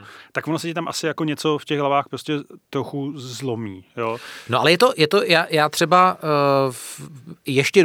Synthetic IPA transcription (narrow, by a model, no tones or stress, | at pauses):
t̪akvonosɛcɪt̪amʔasɪjakoɲɛt͡so̞fcɛɣɦlavaːxpɾoscɛt̪ɾoxuzlomiːjoːnoʔalɛjɛt̪ojɛt̪o̞jaːjaːt̪r̥ɛba | jɛʃcɛ